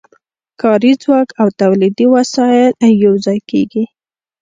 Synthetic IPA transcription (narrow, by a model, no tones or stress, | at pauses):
kɑɾid͡zwɑkawt̪awlid̪iwasɑjɪljawzɑjkeɡi